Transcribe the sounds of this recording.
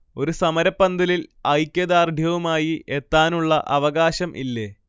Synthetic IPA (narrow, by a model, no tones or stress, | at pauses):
o̞ɾusɐmɐɾɐpːɐnd̪ɐlilɐjkʲːɐd̪aːrd̪ʱjɐʋumaːjiet̪ːaːnuɭːɐʔɐʋɐɣaːɕɐmʔḭlːeː